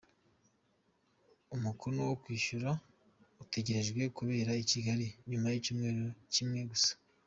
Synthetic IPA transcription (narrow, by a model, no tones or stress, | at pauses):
umukuɾowokwiːʃuɾa | ute̞ɟeɾe̞ʒɡwe̞kuβe̞ːɾaiciɡaɾiɲumajicuːmŋe̞ːɾocimŋe̞ɡusḁ